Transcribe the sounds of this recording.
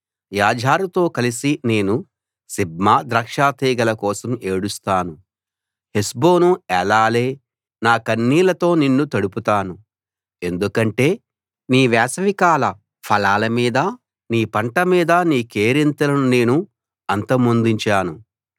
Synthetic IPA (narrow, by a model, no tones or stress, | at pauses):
jaːd͡ʒʱaːɾut̪o̞ːkɐlisine̞ːnu | sib̚maːd̪ɾɐːkʂaːt̪ɛːɡɐlɐkɔːsɐmeːɽust̪aːnu | hesbo̞ːnuɛlaːle̞ː | naːkɐnːiːlɐt̪o̞ːninːut̪ɐɽuput̪aːnu | e̞nd̪ukɐɳʈe̞ː | niːʋɛːsɐʋikaːlɐ | pʰɐlaːlɐmiːd̪ɐ | niːpɐɳʈɐmiːd̪ɐniːke̞ːɾint̪ɐlɐnune̞ːnu | ɐnt̪ɐmond̪iɲt͡ʃaːnu